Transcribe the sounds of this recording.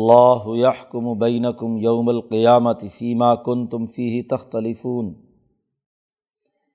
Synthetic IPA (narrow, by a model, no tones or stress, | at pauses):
ɑlˤːɑːɦʊjaħkʊmʊbajnakʊmjawmalqɪjaːmat̪ɪfiːmaːkʊnt̪ʊmfiːɦɪt̪axt̪alɪfuːn